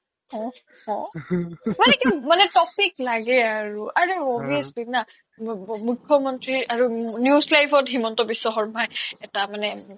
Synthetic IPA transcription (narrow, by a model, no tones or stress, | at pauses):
hɔ̃ | ɔ̃ | manɛkimanɛtɔpiklaɡɛaɹuaɹeɔbiəslina | mukʰːɔmɔntɹiɹʔaɹunjuzlajpʰɔtɦimɔntɔbisːɔxɔɹmajɛtamanɛ